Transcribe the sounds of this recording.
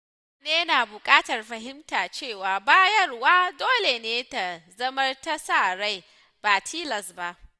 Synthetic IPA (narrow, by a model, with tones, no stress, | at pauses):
neː˦naː˨bʊ˨kʼaː˦tɐ˨rɸɐ˨ɦɪ˦mtaː˨t͡ʃeː˦˨waː˨baː˦jɐ˦rwaː˦doː˦le˨neː˦ta˨zɐ˦mɐ˦rta˦saː˦˨ɾa˦j | b̥aː˨tʰiː˦lɐ˨sba˦˨ʔ